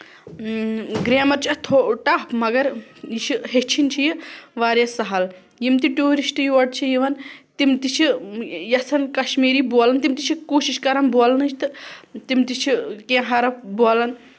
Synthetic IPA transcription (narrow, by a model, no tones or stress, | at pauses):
ɡɾeːmɐɾt͡ʃʰɐt̪ʰoʈaːpmɐɡɐɾjit͡ʃʰiɦet͡ʃʰint͡ʃʰijiʋaːɾjɐsɐɦɐl | jimt̪iʈuːɾisʈɨjuʋɐɖ̚t͡ʃʰijiʋɐnt̪imt̪it͡ʃʰijɐsɐnkɐʃmiːɾiboːlɐnt̪imt̪it͡ʃʰikoːʃiʃkɐɾɐnboːlɐnɨt͡ʃʰt̪ɨt̪imt̪it͡ʃʰikẽːɦɐɾɐpboːlɐn